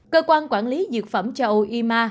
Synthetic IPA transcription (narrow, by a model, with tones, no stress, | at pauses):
kəː˧kwaː˧nkwaː˧˩nli˨˦zɨ˨˩ək̚fə˧˩mt͡ɕa˧ʔo˧ʔi˧maː˧